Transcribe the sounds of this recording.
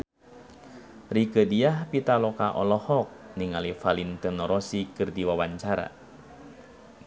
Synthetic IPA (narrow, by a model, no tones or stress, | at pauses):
rikədiahpit̪alɔkaʔɔlɔhɔk̚niŋalifalint̪ɨnɔɾɔsikɨrdiwawaɲt͡ʃaɾa̰